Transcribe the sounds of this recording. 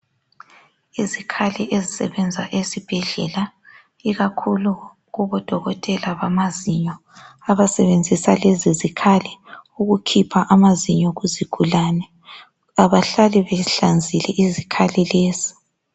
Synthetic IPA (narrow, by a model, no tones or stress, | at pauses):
izikʰalɛʔezisɛ̰βɛnd͡zʱaʔesib̥ʱɛɮɛla | iɣakʰulu | ɣuβɔd̥ʱɔɣɔtʼɛlaβamaziɲɔ | aβasɛβend͡zʱisa̰lezizikʰalɛuɣukʰipʰaʔamaziɲɔɣuziɡ̥ʱulanɛ | aβaɬaliβɛɬand͡zʱilɛʔizikʰalileːzi̥